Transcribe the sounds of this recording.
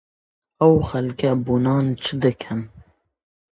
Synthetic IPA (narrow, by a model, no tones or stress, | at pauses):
ɛwxɛlkaːbunɑːnt͡ʃʰɨd̪ɨkʰɛm